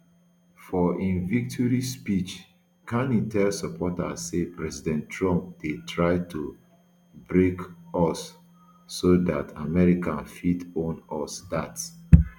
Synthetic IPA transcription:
fɔʔĩnvik̚tʰɔɹispit͡ʃ | kʰãnĩtɛlsɔpʰɔta̰sepɹɛzidɛ̃ntːɹɔ̃mp̚detʰɹaɪtʰu | bɹekɔsː | odatʰamɛɹikãnfitõnɔsdats

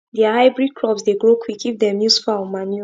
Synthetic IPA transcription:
diahaɪbɹid̚kʰɹɔpsdeɡɹokʰwikivdɛ̃mjusfamanu

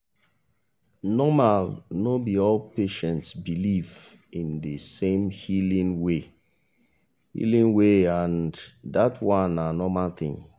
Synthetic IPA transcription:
nɔmalnobiɔlpeʃɛ̃ntsbiliv | ĩndəsẽmhilĩnwe | hḭlĩŋweãndatwãnanɔmalt̪ḭ̃ŋ

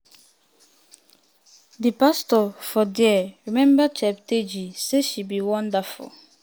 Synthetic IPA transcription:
dipastɔfɔdɛɹimɛ̃mbət͡ʃɛpted͡ʒiseʃibiwɔ̃ndəfṵl

